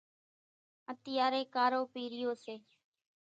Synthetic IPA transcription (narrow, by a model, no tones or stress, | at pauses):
ət̪ɪjaːɾeːkaːɾoːpiːɾɪjoːseː